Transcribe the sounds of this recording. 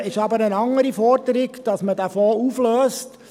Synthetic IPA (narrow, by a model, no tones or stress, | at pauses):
ɪʃɑbəɾənɑŋəɾifɔɾdəɾɪɡd̥ɑsmədæfoːuflœːst